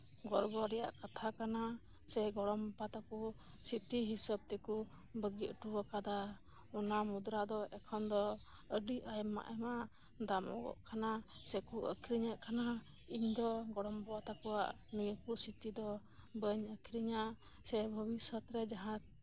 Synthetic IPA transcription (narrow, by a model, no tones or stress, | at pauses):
ɡɔɾɡɔɾɛja̰ʔkat̪ʰakana | sɛɡɔɽɔmpat̪aku | sit̪iɦisəb̚t̪ɛku | bəɡit̪ʈuwɔkad̪a | ɔnamud̪ɾad̪ɔʔɛkʰɔnd̪ɔ | əɖiajmːa̰ʔɛmaʔ | d̪amɔ̰ɡɔ̰ʔkʰanasɛkuə̰kʰiɾiɲaʔkana | iɲd̪ɔɡɔɽɔmbɔat̪akuwa̰ʔ | miŋəkusit̪id̪ɔ | bəɲəkʰiɾiɲaʔ | sɛbʱəbisɔt̪ɾɛd͡ʒaɦã